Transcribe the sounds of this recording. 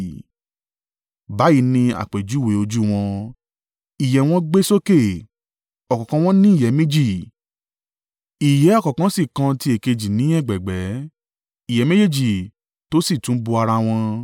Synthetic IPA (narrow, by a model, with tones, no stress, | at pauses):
ba˨˦ji˨˦nĩ˧a̰˨k͡pe˨d͡ʒu˨˦we˨˦o˧d͡ʒu˦w̃ɔ̃˧ | i˨jɛ˨w̃ɔ̃˦ɡ͡be˦so˦ke˦˨ | ɔ˨kɔ˨kã˧w̃ɔ̃˦nĩ˦i˦˨jɛ˨˦me˦d͡ʒi˦˨ | i˨jɛ˨˦ɔ˦kɔ˨kã˨˦si˦˨kã˧ti˧˦e˨ke˧d͡ʒi˨nĩ˨˦ɛ˦˨ɡ͡bɛ˨ɡ͡bɛ˨˦ | i˨jɛ˨˦me˦d͡ʒe˦d͡ʒi˦˨ | to˦si˦˨tũ˨˦bu˧a˧ɾa˧w̃ɔ̃˧